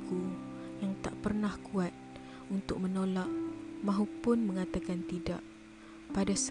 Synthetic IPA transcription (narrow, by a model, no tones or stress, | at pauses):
ku | jaŋt̪aʔpərnahkuat̪̚ | unt̪ʊk̚mənolaʔmãɦupʊnməŋat̪akant̪ida̰ʔ | padas